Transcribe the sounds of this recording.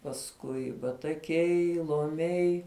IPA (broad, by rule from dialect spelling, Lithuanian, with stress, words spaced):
pɐsˈkʊɪ bɐtɐˈkʲɛɪ lˠoːˈmʲɛɪ